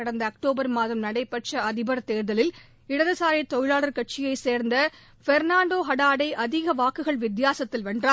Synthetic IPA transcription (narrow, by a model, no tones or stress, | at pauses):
ɐɽɐnd̪ɐːk̚ʈoːbɐɾmaːðɐmnɐɽɐɪpːɐʈt͡ʃɐɐðɪbɐɾt̪eːɾðɐlɪl | ɪɽɐðɐsaːɾɪt̪ɔjɪɻaːɭɐɾkɐʈ̚t͡ʃɪjɐɪseːɾnd̪ɐ | fɛɾnaːɳɖoːɦɐɽaːɽɐɪʔɐðɪɣɐʋaːkːɯɣɐɭʋɪd̪jaːsɐt̪ːɪlʋɐɳdraː